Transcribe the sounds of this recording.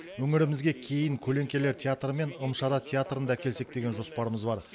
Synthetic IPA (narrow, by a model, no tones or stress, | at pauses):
wɵŋɪɾɪmɪzɡʲe̞kʲʰe̞jɪŋkʲʰɵle̞ŋkʲe̞le̞ɾt̪ʲʰeat̪rəme̞nəmʃɑɾɑt̪ʰʲeat̪rənd̪ɑækʲʰe̞lse̞k̚d̪e̞ɡʲe̞nʒo̞spɑɾəməzbɑɾ